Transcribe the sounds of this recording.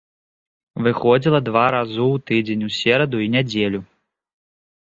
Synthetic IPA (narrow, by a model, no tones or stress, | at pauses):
vɨxɔd͡zʲilˠɐd̪vaɾazuwt̪ɨd͡zʲenʲusʲɛɾɐd̪uinʲad͡zʲelʲu